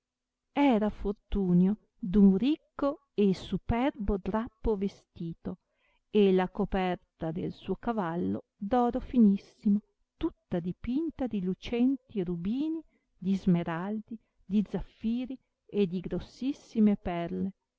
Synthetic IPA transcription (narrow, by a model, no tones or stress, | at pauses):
ɛːɾafort̪uːnjo | d̪uŋrikːo | esupɛrbod̪ɾapːovest̪iːt̪o | elakopɛrt̪ad̪elsuːokavalːo̰ | d̪ɔːɾofinisːimo | t̪ut̪ːad̪ipint̪ad̪ilut͡ʃɛnt̪iɾubiːni | d̪izmeɾald̪i | d̪id̪zafːiːɾi | ed̪iɡɾosːisːimepɛrle